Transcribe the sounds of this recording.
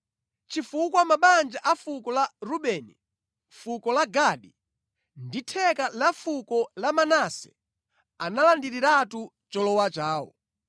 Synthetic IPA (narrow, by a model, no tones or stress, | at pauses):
t͡ʃifukwamaɓand͡ʒaʔafukɔlaɾuɓɛːnḭ | fukɔlaɡaɗi | nditʰɛkalafukɔlamanasɛ̥̰ | analandiɾiɾatu | t͡ʃɔlɔwat͡ʃaːwɔ̰